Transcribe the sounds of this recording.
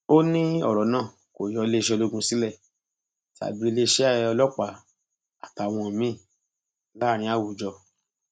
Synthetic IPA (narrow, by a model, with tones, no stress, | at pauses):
o˦nĩ˦ɔ̰˦˨ɾɔ˨˦nã˦˨ | ko˨jɔ˨˧˦le˦˧ʃɛ˧lo˦ɡũ˧si˦lɛ˦˨ | ti˦a̰˨bi˨˦e˧le˦˧ʃɛ˦a˦˨˧ɔ˧lɔ˦k͡pa˨˧˨ | a˨ta˨˧˨w̃ɔ̃˧˨mĩ˦˨ | la˦˨ɾ̃ĩ˧˦a˦˨wu˨d͡ʒɔ˧˨